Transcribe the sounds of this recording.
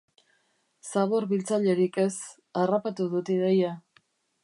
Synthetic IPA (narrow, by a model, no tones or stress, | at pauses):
saβo̞ɾβilt͡saʎe̞ɾike̞s | arapat̪uðut̪ið̞eja